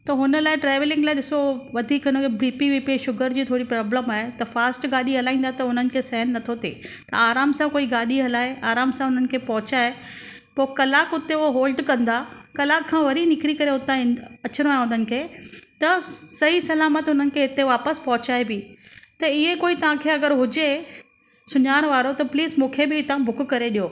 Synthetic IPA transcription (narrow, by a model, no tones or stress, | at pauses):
t̪ɐɦʊnəlaːɪʈɾɛːʋɪlɪ̃ŋɡlaːɪɗɪsoʋɐd̪ʱiːkʊnokebɾiːpiʋiːpeʃʊɡəɾd͡ʑiːt̪ʰoːɽipɾaːbləmaːɦet̪ɐfaːsʈɡaːɗiɦɐlaːĩːnd̪at̪ɐʊn̤ənɪ̆kʰeːsɐɦənːɐt̪ʰot̪ḛt̪ɐaːɾaːmsãkoːiɡaːɗiɦɐlaːeaːɾaːmsãʊnənɪ̆kʰeːpɐɦʊt͡ɕaːe | poːkɐlaːkʊt̪eʊoɦoːlɖkɐ̃nd̪akɐlaːkʰːãʋɐɾinɪkɾikɐɾeɦʊt̪ãɐt͡ɕɪɾ̃oaːɦeʊn̤ənɪ̆kʰeːt̪ɐsɐɦisɐlaːmət̪ʊn̤ənɪ̆kʰeɦɪt̪eʋaːpəspɐɦʊt͡ɕaːebɪt̪ɐiẽkoːit̪ɐʋ̤ãkʰeːɐɡəɾɦʊd͡ʑe | sʊɲaːɾ̃ʋaːɾot̪ɐpliːzmũːkʰebɪɪt̪ãbʱʊkkɐɾeɗijoː